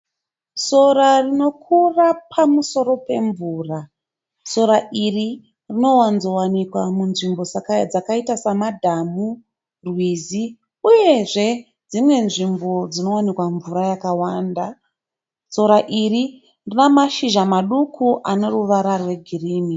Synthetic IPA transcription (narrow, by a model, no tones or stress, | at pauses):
so̞rarino̞kʰurapʰamuso̞ɾo̞pe̞ɱvuːra | so̞ɾairi | rino̞wanzo̞wanikwamunʐimbo̞d͡zakd͡zakaitasamadʱamu | rwizi | uje̞ʐe̞ | d͡zimwe̞nʐimbo̞d͡zino̞wanikwaɱvuɾajakawaːnda | so̞ɾaʔiri | rinamaʃiʒamaɗukʰuʔane̞ɾuʋaɾarwe̞ɡʱiriːmi